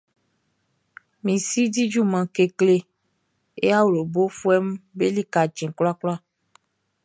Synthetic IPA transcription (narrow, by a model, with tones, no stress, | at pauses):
mĩ˨si˦di˦d͡ʒu˦mã˨ke˨kle˦ | ḛ˦a˦wɾo˨bo˦fu˦ɛ˦m˦be˦li˦ka˨d͡ʒɛ̃˨kla˦klɔ˦a˦